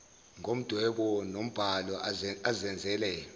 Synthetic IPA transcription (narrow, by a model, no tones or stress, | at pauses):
ŋʱom̩d̥ʱwɛɓɔnom̩b̥ʱalɔazɛnd͡zʱɛlɛːjɔ